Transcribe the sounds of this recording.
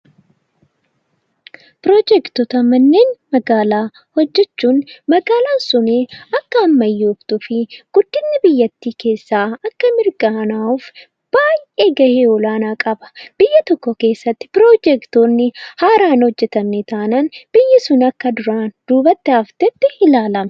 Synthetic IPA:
pɾoːd͡ʒɛkt̪ɔt̪ɐmɐnːeːnmɐɡaːlaː | hɔd͡ʒːɛt͡ʃːuːnmɐɡaːlaːnsʊneːɐkːɐːmːɐjːɪʊbt̪ʊfɪɡ̥ʊd̪ːɪnːɪbɪjːɐt̪ːiːke̞ːsːaːɐkːɐmɪɾɡɐnaːʊf | b̥aːjʔeːɡɐheːɔlaːnaːkʼɐbɐ̥b̥ɪjːɐt̪ɔkːɔke̞ːsːɐt̪ːɪ̥pɪɾoːd͡ʒɛkt̪oːnːɪhaːɾaːnhɔd͡ʒːɛt̪ɐnːet̪aːnɐnb̥ɪjːɐsʊnɐkːɐd̪ʊɾaːnd̪̥uːbɐt̪ːɪaːft̪ɛt̪ːɪɪlaːlɐmɐ̥

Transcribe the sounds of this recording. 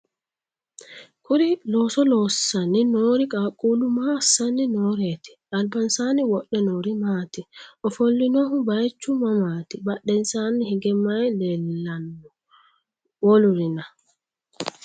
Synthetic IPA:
kʰuɾilɔsɔlɔsaninoːɾikʼaːkʼulumasaninɔɾɛtɛ̥ʔalbansaniwɔɗːɛnoːɾimaːtiʔɔfolːinɔhubajt͡ʃːumamaːtibaɗːɛnsanihiɡɛmajlɛlanː | woluɾina

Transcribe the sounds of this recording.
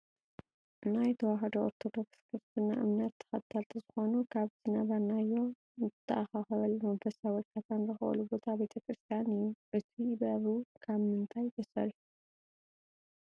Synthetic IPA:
najt̪ʰɐwaɦɐd̪ooɾt̪ʰo̞d̪o̞kskʰɨɾst̪ʰɨna̰ʔɨ̰mnat̪ʰːɐ̥xɐt̪ʰːalt̪ʰɐzɨxo̞nukʰaβzɨnaβɐɾnajːo̞ | nɨt̪ʰːaʔaxaxɐβɐlmɐmfɐsawɔkʰːat̪ʰanzɨxɨʔɐ̰lubot̪ʰabe̞t̪ʰɐkʰɾɨst̪ʰijanijːuʔɨt̪ʰibɐβɾukʰaβmɨnt̪ʰajd̪ʰɐsɐ̰ɾiu

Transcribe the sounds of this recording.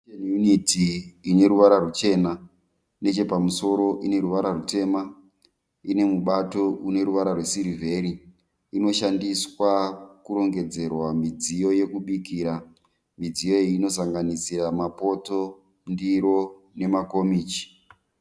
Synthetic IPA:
enjunitiːne̞ɾuʋaɾarut͡ʃe̞ːna | ne̞t͡ʃe̞pamuso̞ɾo̞ʔine̞ɾuʋaɾarute̞ma | ine̞muɓato̞ʔune̞ɾuʋaɾarwe̞siɾivʱe̞ɾiː | no̞ʃandiswakuɾo̞ŋɡe̞d͡ze̞rwamid͡zijo̞je̞kuɓikiːɾa | mid͡zijo̞eino̞saŋɡanisiɾamapo̞to̞ | ndiɾo̞ | ne̞mako̞miːt͡ʃi̥

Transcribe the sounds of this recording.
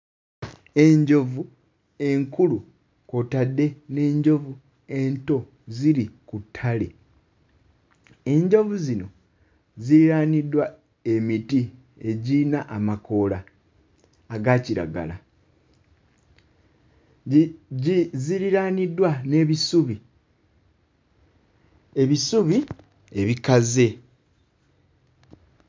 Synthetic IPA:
e̞ɲɟo̞vu | e̞ŋkulu | ko̞tadːe̞ne̞ːɲɟo̞vu | e̞nto̞ | ziɾikutʰːale | e̞ɲɟo̞vuzino̞ | ziɾiɾanidwa | e̞miti | e̞ɟinaʔamako̞laː | ɡaːciɾa̰ɡa̰la | ziɾiɾaːnidwane̞ːβisuβi | eβisuβi | eβikaze̞

